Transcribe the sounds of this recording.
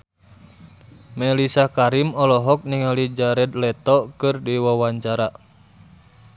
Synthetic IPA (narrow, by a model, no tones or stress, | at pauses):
mɛlisakaɾimɔlɔɦɔk̚niŋalid͡ʒaɾɛd̪lɛt̪ɔkɨrdiwawaɲt͡ʃaɾa